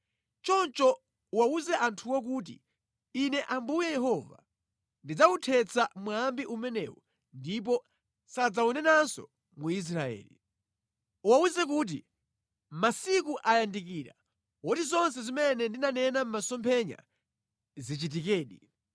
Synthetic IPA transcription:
t͡ʃɔnt͡ʃɔ | uwauzɛʔantʰuwɔk̬uːt̬ḭː | nɛʔambujɛjɛɦɔva̰ | ndid͡zautʰɛt͡samwambiʔumɛnɛ̰wɔ̰ | ndip̬ɔ | sad͡zaunɛnansɔ̰ | muis̬ɾaɛ̰ːlḭ | uwauzɛkuːt̬ḭ | masikuʔajandikiːɾa̰ | wɔtizɔns̬ɛzimɛnɛndinanɛnam̩masɔmpʰɛɲa̰ | zit͡ʃit̬ikɛːɗi

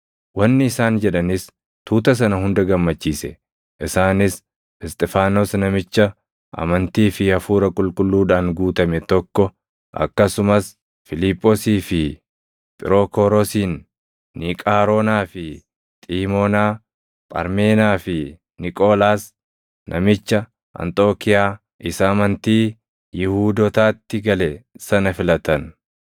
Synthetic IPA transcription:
wɐnːɪɪsaːnd͡ʒɛᶑɐnɪs | t̪uːt̪ɐs̬ɐnɐɦʊnd̪ɐɡɐmːɐt͡ʃːiːsɛ̰ | ʔɪsaːnɪs | ɛst̪ʼɛfaːnosnɐmɪt͡ʃːɐ | ɐ̰mɐnt̪iːfɪɐfuːɾɐkʼʊlkʼʊlːuːᶑaːŋɡuːt̪ɐmɛt̪ɔkːɔ | ʔɐ̰kːɐsʊmɐs | fɪliːpʼːɔsiːfɪ | pʼɪɾokɔːɾɔsiːnː | ɪkʼaːɾoːnaːfɪ | t̪ʼiːmoːnaː | pʼɐ̰ɾmeːnaːfɪ | nɪkʼoːlaːs | nʔɐ̰mɪt͡ʃːɐ | ʔɐ̰nt̪ʼo̞ːkɪjaː | ʔɪsɐːmɐnt̪iː | jɪhuːd̪ɔt̪aːt̪ːɪɡɐlɛsɐnɐfɪlɐt̪ɐn

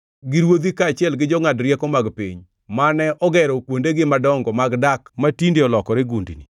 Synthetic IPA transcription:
ɡɪɾwod̪ikaːt͡ʃɪɛlɡɪd͡ʒɔŋadɾjɛkɔmaɡpḭɲ | manɛʔɔɡɛɾɔkwondeɡɪmadɔŋɡɔmaɡdakmatindeɔlɔkɔɾeɡundini

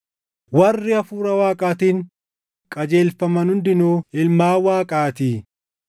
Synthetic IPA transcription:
wɐrːɪɐfuːɾɐwaːkʼaːt̪iːŋ | kʼɐd͡ʒe̞ːlfɐmɐnhʊnd̪ɪnuːɪlmaːwaːkʼaːt̪iː

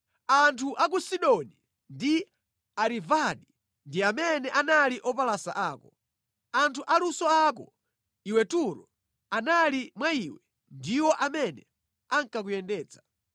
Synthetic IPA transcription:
antʰuʔak̬usiɗɔni | ndi | aɾivaɗi | ndiamɛnɛʔanaliʔɔpalasaʔaːkɔ | antʰuʔalusɔak̬ɔ̰ | iwɛtuɾɔ | analimwaiwɛ | ndiwɔʔamɛnɛ | aŋkak̬ujɛndɛːt͡sḁ

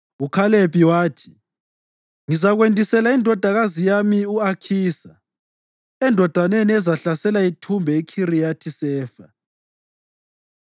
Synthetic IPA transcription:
ukʰalepʼiwaːtʰi̥ | ŋizaɣwendʱisɛlaindʱɔd̥ʱaɣazijamiuakʰiːsa | ɛndʱɔd̥ʱaneniɛzaɬasɛlaitʰumbʱɛikʰirijatʰisɛːfa

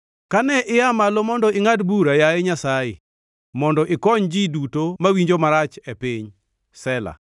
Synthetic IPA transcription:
kanɛʔɪamalomɔndɔɪŋadbuɾajaeɲasajɪ̰ | mɔndɔʔɪkɔɲd͡ʒidutomawiɲd͡ʒomaɾat͡ʃɛpiɲ | sɛla̰

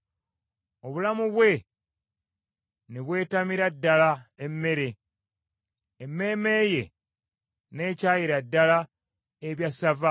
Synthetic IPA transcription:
o̞βulamuβwe̞ | neβwe̞ːtamiɾadːalaemːe̞ɾe̞ | emːe̞ːme̞ːje̞ | ne̞ːcaːjiɾadːala | eβjasava

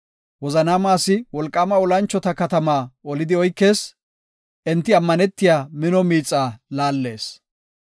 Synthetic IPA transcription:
wɔzɐnaːmaːsːɪwɔlkʼːaːmɐɔlɐnt͡ʃːɔt̪ɐkɐt̪ɐmaːɔlɪd̪ɪɔjkːe̞ːs | ʔɪnt̪ːɪɐmːɐnɛt̪ːɪjaːmɪnɔmiːt͡sʼːaːlaːlːe̞ːs

